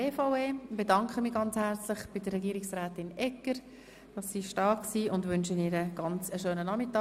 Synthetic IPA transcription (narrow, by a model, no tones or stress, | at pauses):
eːfaʊeːb̥edɑŋkʰχəmiːɡɑnt͡shæɾt͡slɪχb̥ɪdərɛɡiːɾɪksʁɛːtɪnɛkːəɾ | d̥ɑsːiʃtɑksiːʔʊndʋʏnʃəniːɾəɡ̥ɑnt͡səʃøːnənɑmɪtːɑː